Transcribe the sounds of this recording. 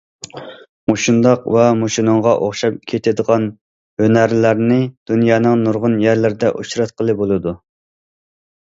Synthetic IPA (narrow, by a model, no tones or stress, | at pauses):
moʃund̪ɑqwɛmoʃinɨŋʁɑʔoχʃɑp̚kʲʰet̪ʰɪd̪əʁɑn | hønæɾlæɾnɪd̪̥unjɑːnɨŋnuɾʁʊnjæɾlɪɾɪd̪ɛʔuʃɾɑt̪̚qʰəlˠɨbolˠɨd̪u